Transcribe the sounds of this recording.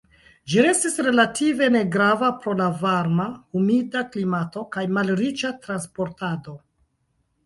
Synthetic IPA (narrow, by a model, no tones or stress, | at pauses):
d͡ʒiɾe̞stisɾe̞latʰive̞ne̞ɡɾavapɾo̞lavaɾmaumidaklimato̞kajmalɾit͡ʃatɾanspo̞ɾtado̞